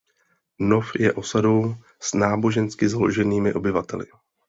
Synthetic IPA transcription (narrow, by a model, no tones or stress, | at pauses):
no̞fjɛʔo̞sado̞w | snaːbo̞ʒɛnskɪzaloʒɛniːmɪ̰ʔo̞bɪvat̪ɛlɪ̰